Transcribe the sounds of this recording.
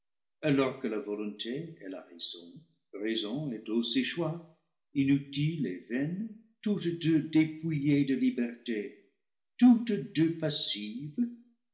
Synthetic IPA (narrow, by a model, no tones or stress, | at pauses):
alɔʁkəlavɔlɔ̃ntʰeɛla̰ʁez̥ɔ̃ | ʁezɔ̃ɛtoseʃwa | inytilevɛn | tutd̪ødepujedəlibɛʁte | tut̪døpasiv